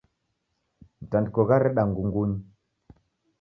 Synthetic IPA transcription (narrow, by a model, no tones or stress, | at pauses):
ntandkoɣaɾeɗaŋɡuŋɡuɲ